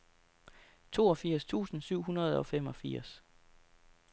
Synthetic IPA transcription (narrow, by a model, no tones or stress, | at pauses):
t͡sʰo̝̰ːɒ̽fiɐ̰st͡sʰṵːsn̩syʊ̰ɦunɐð̞ˠɒ̽fem̰ɒ̽fiɐ̰s